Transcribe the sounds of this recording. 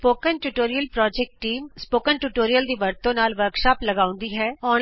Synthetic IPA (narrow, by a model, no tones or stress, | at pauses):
poːkənʈuʈoːɾijəlpɾɔːd͡ʒɛk̚ʈʈːiːmspoːkənʈuːʈoːɾijəld̪iːʋəɾt̪õnaːlʋəɾkʃaːpləɡaːʊ̃nd̪iːɦɛːɔː